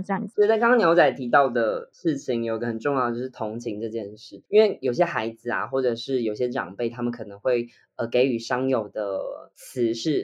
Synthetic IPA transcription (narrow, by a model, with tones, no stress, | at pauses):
a˨˩i˧˥ʂ̩˧t͡skɑ˥ŋkʰɑ̃˥njo˧˥ʊt͡sa˧˩ɪt̪ʰi˧˥t̪ɑ˥˩ʊd̪ə˩ʂɻ̩˥˩t͡ɕʰi˧ŋjo˨˩ʊi˧ɡə˧xə˨˩nʈ͡ʂʊ˥˧ŋjɑ˥˩də˧t͡ɕo˥ʊ˩ʂ̩˥˩t̪ʰo˧˥ŋt͡ɕʰi˧˥ŋʈ͡ʂɤ˥˧t͡ɕjɛ˥˧nʂɻ̩˥˩i˥nwe˥˩ɪjo˨˩ʊɕjɛ˥xa˧˥ɪd͡zɹ̩˨a̰˩xwɔ˥˩ʈ͡ʂɤ˨˩ʂɻ̩˥˩jo˨˩ʊ˩ɕjɛ˥ʈ͡ʂɑ̰˨˩ŋpe˥˩ɪa˥mə˨nkʰɤ˨˩nɤ˧˥ŋxwe˥˩ɪ | ə˨˩ke˧˥ɪy˨˩ʂɑ˥ŋjo˨˩ʊd̪ə˦t͡sʰɹ̩˧˦ʂɻ̩˥˩